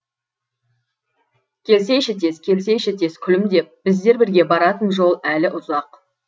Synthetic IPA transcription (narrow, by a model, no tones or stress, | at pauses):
kʲʰe̞ls̬e̞jʃɪt̪ʰe̞skʲʰe̞ls̬e̞jʃet̪ʰe̞skʲʰʏlɪmd̪e̞p̚b̥ɪzd̪e̞ɾbɪɾɡʲe̞bɑɾɑt̪ənʒo̞lˠælɪʔʊzɑq